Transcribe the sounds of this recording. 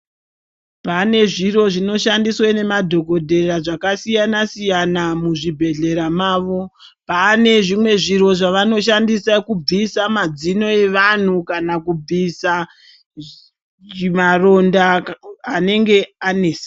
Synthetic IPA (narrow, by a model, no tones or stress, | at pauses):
pane̞ʐiro̞ʐino̞ʃandiswene̞madʱo̞ko̞dʱe̞raʐakasijanasijanamuʐibʱe̞ɮe̞ɾamaːʋo̞ | pane̞ʐimwe̞ʐiro̞ʐaʋano̞ʃandisakub͡visamad͡zino̞e̞ʋan̤ukanakub͡visa | imaro̞ndaː | ne̞ŋɡe̞ane̞ːsḁ